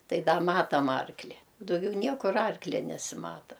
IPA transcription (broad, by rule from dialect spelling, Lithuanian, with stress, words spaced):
ˈtɐɪ ˈdɐ ˈmɑːtɐm ˈɐrklʲɪ ʊ dɐʊˈɡʲɛʊ ˈnʲiɛkʊr ˈɐrklʲɛ nʲɛsʲɪˈmɑːtɐ